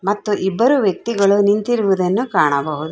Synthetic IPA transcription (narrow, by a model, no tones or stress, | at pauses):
mɐt̪ːuʔibːɐɾuʋjɐk̚t̪iɡɐɭunint̪iɾuʋud̪ɐnːukaːɳɐbɐɦud̪u